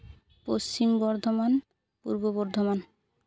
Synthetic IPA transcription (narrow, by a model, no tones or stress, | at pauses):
post͡ɕimbɔɾd̪ʱoman | pṵɾbobɔɾd̪ʱoman